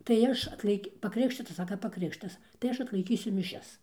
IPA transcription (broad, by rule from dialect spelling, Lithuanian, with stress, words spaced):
tɐɪ ˈɐʃ ɐtlˠɐɪˈkʲɪ pɐkrʲɪˈkʃʲtʲɪtɐs ˈsɑːkɐ pɐˈkrʲɪkʃʲtʲɪtɐs tɐɪ ˈɐʃ ɐtlˠɐɪˈkʲiːsʲʊ mʲɪˈʃʲɛs